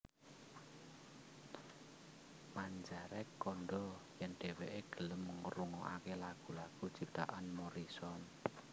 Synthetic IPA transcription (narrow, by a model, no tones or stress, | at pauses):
maɲd͡ʒaɾɛkːɔnɖɔjɛnɖ̥e̤weʔeɡ̥ə̤ləmːəŋəɾuŋɔʔakelaɡ̥ṳlaɡ̥ut͡ʃip̚t̪a̰ʔanmɔɾisɔn